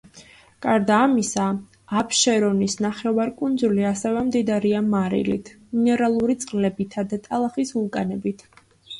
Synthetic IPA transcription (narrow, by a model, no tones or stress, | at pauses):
kʼaɾd̪aːmisaː | pʰʃɛɾɔnisnaχɛvaɾkʼund̪zuliasɛvɛmd̪id̪aɾiamaɾḭlit̪ʰminɛɾalˠuɾit̪sʼqʼlɛbit̪ʰad̪at̪ʼalˠaχisulˠkʼanɛbit̪ʰ